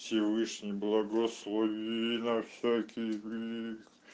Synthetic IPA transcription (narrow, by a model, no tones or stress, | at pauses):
fsʲɪvɨʂnʲɪjblˠɐɡoslˠovʲinɐfsʲækʲʰɪjʲik